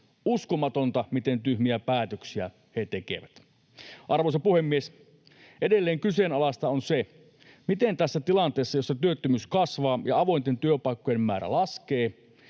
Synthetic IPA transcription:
uskomɑt̪ont̪ɑmit̪ent̪yhmiæpæːt̪øksiæ̰ | het̪ekḛʋæt̪ | ʔɑrʋosepuhemːies | ʔedelːeːŋkysenɑlɑst̪ɑonse | mit̪ent̪æsːæt̪ilɑnt̪eːsːɑjosːɑt̪yøt̪ːømyːskɑsʋɑːjɑɑʋo̞int̪ent̪yøpɑikːojemmæːɾæ̰lɑskeː

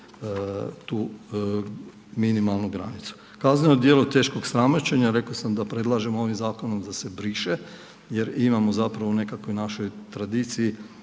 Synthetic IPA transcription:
t̪uː | minimalˠnuɡɾa̰nit̪su̥ | kazneeod̪je̞ːlˠot̪e̞ːʃko̞ɡsɾamot͡ɕe̞ɲaɾe̞kosamd̪apɾe̞d̪lˠaʒe̞moo̞ʋimzaːko̞no̞md̪ase̞bɾiʃe | jeɾimamozapɾaʋone̞kakojnaʃo̞jt̪ɾad̪iːt̪siji

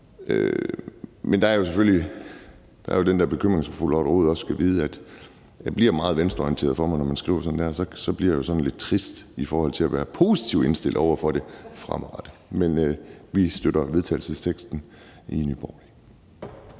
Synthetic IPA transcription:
ʔø | mend̥ɑ̈æɐjo̝sefølji | d̥ɑ̈æɐjo̝d̥end̥æɐb̥e̝kʰøm̰ʁeŋsɒmful̰ɒɾʁo̝ːð̩ˠɒ̽ssɡ̥ʰæʋiːð̞̩ˠəæd̥ | æb̥liɐ̰mɑ̈ːð̞̩ˠʋensd̥ɔiənt͡sʰe̝ɐð̞̩ˠfɒ̽mɑ̈ɪnɒmænsɡ̥ʁḭʊ̰ɐsɒ̽n̩d̥æɐ̰sɒ̽sɒ̽b̥liɐ̰ajo̝sɒ̽nn̩le̝d̥̚t͡sʰʁisd̥ifɒːhɒ̽l̰t͡sʰe̝æʋæːɐpʰo̝sit͡sʰiʊ̰e̝nsd̥e̝l̰d̥ɒʊɐfɒɾ̥e̝fʁɑ̰mʁɑd̥əmenʋisd̥øɾ̥ɐʋe̝ð̞ˠt͡sʰɛ̰ːl̩səst͡sʰeɡ̥sd̥n̩ | inyb̥ɒli

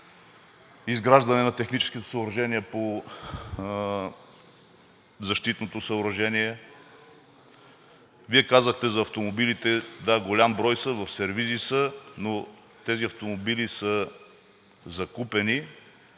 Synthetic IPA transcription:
izɡɾaʒd̪ɐnɛnɐt̪ɛxnit͡ʃɛ̥skʲit̪ɛ̥səoɾɐʒɛniɛpo | zɐʃt̪it̪not̪osɐoɾɐʒɛniɛ | viɛkazəxt̪ɛzɐːft̪omobilit̪ɛd̪aɡolʲambɾɔjsəvɐfsɛɾvizisəno | t̪ɛziɐft̪omobilisə | zɐkupɛni

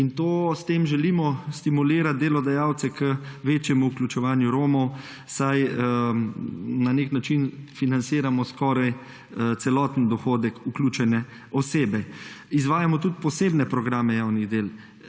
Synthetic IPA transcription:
int̪oːst̪eːmʒɛliːmɔst̪imuliːɾat̪̚d̪eːlɔd̪ajawt̪sɛkəʋeːt͡ʃjɛmuːklʲut͡ʃɛʋaːnjuɾoːmɔw | saj | naneknat͡ʃinfinansiːɾamɔskɔɾaj | t̪sɛlɔːt̪nd̪ɔxoːd̪ɛkuklʲuːt͡ʃɛnɛ | ɔseːbɛizʋaːjamɔt̪ut̪pɔseːbnɛpɾɔɡɾaːmɛjaːwniɣd̪eːl

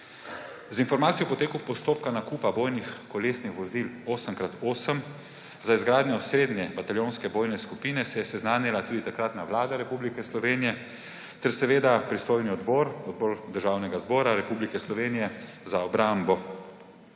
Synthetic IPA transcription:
zinfɔɾmaːt̪sijɔpɔt̪eːkupɔst̪oːpkanakuːpaboːjnixkɔleːsnixʋɔziloːsəmkɾat̪oːsəm | zaizɡɾaːd̪ɲjɔsɾeːd̪nɛbat̪aljoːnskɛboːjnɛskupiːnɛsɛjɛsɛznaːmilat̪uːd̪it̪akɾat̪naʋlaːd̪aɾɛpublikɛslɔʋeːnijɛ | t̪ɛɾsɛʋeːd̪apɾist̪oːjniɔd̪bɔːɾɔd̪̚bɔːɾd̪əɾʒaːwnɛɡazbɔːɾaɾɛpublikɛslɔʋeːnijɛzaɔbɾambɔ

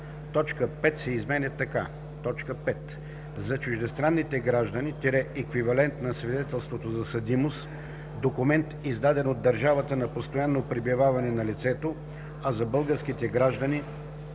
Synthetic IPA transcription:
t̪ɔt͡ʃkəpɛt̪sɛizmɛnʲɛt̪ɐka | t̪ɔt͡ʃkəpɛt̪ | zɐt͡ʃʊʒd̪ɛst̪ɾanːit̪ɛɡɾaʒd̪ənit̪ʲiɾɛɛkvivɐlɛnt̪nɐsvid̪ɛt̪ɛlˠst̪vot̪ozɐsɐd̪imos | d̪okʊmɛnt̪izd̪ad̪ɛnod̪ːɐɾʒavɐt̪ənɐpost̪ojanːopɾibivavɐnɛnɐlit̪sɛt̪o | ɐzɐbɤlˠɡəɾsk̟it̪ɛɡɾaʒd̪əni

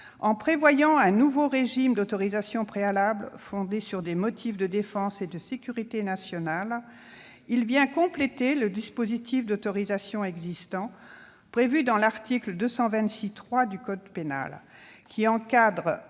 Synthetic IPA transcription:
ɑ̃pχevwajɑ̃ɛ̃nuvoʁeʒimd̪ot̪ɔʁizasjɔ̃pχealablfɔ̃d̪esyʁd̪emɔt̪ʰifd̪əd̪efɑ̃sed̪əsekʲyʁit̪enasjɔnal | ilvjɛ̃kɔ̃plet̪eləd̪ispozit̪ʰifd̪ot̪ɔʁizasjɔ̃ɛɡzist̪ɑ̃ | pχevyd̪ɑ̃laʁt̪ikld̪øsɑ̃vɛ̃t̪sit̪χwad̪ykɔd̪pena̰lkʲiɑ̃kad̪ʁ

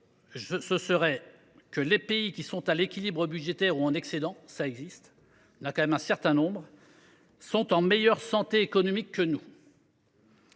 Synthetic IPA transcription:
ʒəsəsəʁɛ | kəlepeikʲisɔ̃t̪alekʲilibʁəbyd̪ʒet̪ɛʁuɑ̃nɛksed̪ɑ̃saɛɡzist̪ | nakɑ̃mɛmɛ̃sɛʁt̪ɛ̃nɔ̃bʁ | sɔ̃t̪ɑ̃mɛjœʁsɑ̃t̪eːkɔnɔmikʰːənu

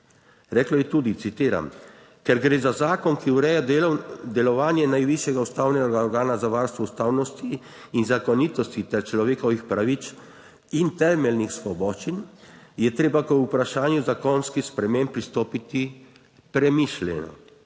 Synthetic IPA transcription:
ɾɛːklɔjɛt̪ud̪it̪sit̪iːɾa̰m | kɛɾɡɾeːzazaːkɔnkiuɾɛːjad̪ɛlɔʋaːnjɛnajʋiʃjɛɡaust̪aːwnɛɾɡaɔɾɡaːnazaʋaːɾst̪ʋɔust̪aːwnɔst̪iː | nzakɔniːt̪ɔst̪it̪ɛɾt͡ʃlɔʋeːkɔʋixpɾaʋit͡ʃ | int̪ɛːmɛlnixsʋɔbɔʃt͡ʃinjɛt̪ɾeːbakɔupɾaʃaːnjuzakɔnskispɾɛmẽmpɾist̪oːpit̪i | pɾɛmiʃlɛ̰nɔ̰

